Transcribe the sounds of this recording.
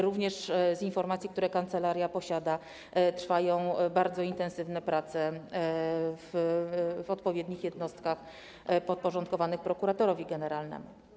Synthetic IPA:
ɾuvɲɛʂzinfɔɾmat̪sʲjikt̪uɾɛkant̪sɛlaɾʲjapɔɕad̪a | tɾfajɔ̃w̃baɾd̪zɔint̪ɛnsɘvnɛpɾat̪sɛ | v | ɔt̪pɔvʲjɛd̪ɲixjɛd̪nɔst̪kax | pɔt̪̚pɔʐɔnt̪̚kɔvanɘxpɾɔkuɾat̪ɔɾɔvʲiɡɛnɛɾalnɛ̰mṵ

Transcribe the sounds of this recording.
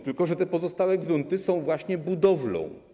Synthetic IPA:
t̪ɘlkɔʐɛt̪ɛpɔzɔst̪awɛɡɾunt̪ɘsɔ̃w̃vwaɕɲɛbud̪ɔvlɔ̰̃w̃

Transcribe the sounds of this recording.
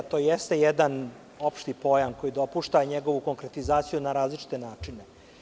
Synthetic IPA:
t̪o̞ːjɛst̪e̞jed̪an | o̞pʃt̪ipo̞jamko̞jid̪o̞puʃt̪aɲeɡo̞ʋuko̞ŋkɾe̞t̪izaːt̪sijunaɾaːzlit͡ʃi̥t̪e̞naːt͡ʂine̞

